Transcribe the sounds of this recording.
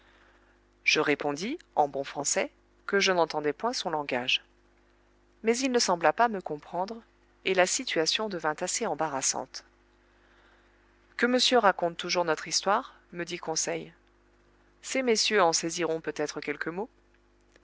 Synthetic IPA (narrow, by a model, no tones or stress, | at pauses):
ʒ̥əʁepɔ̃d̪iɑ̃bɔ̃fχɑ̃sɛ | kəʒənɑ̃t̪ɑ̃d̪ɛpwɛ̃sɔ̃lɑ̃ɡaʒ | mɛzilnəsɑ̃blapaməkɔ̃pχɑ̃d̪ʁ | elasit̪ɥasjɔ̃d̪əvɛ̃t̪aseɑ̃baʁasɑ̰̃t̪ | kəməsjøʁakɔ̃t̪ːuʒuʁnɔt̪χist̪waʁ | məd̪ikɔ̃sɛj | semesjøɑ̃seziʁɔ̃pøt̪ɛt̪χəkʲɛlkəmo